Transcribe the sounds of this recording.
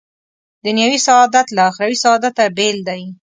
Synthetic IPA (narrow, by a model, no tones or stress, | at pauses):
d̪ənjawisaːd̪at̪laːxɾawisaɑd̪at̪abeld̪aj